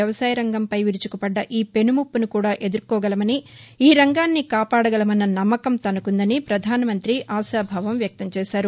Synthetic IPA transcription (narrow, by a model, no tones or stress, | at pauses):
ɐʋɐsaːjɐɾɐŋɡɐmpɐjʋiɾut͡ʃu̥kupɐɖːɐʔiːpe̞numupːunukuːɽaːʔe̞d̪uɾkɔːɡɐlɐmɐniiːɾɐŋɡaːnːikaːpaːɽɐɡɐlɐmɐnːɐnɐmːɐkɐmt̪ɐnɐkund̪ɐnipɾɐd̪ʱaːnɐmɐnt̪ɾiʔaːʃaːbʱɐʋɐmʋjɐk̚t̪ɐmt͡ʃɛːʃaːɾu